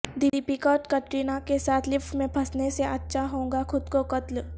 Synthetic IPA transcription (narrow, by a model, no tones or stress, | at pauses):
d̪ɪlipikɔːʈkɐʈɾinakesaːt̪ʰlɪpʰmẽpʰɐsneseʔɐtːʃʰaɦõːŋɡaxʰʊd̪kokɐt̪l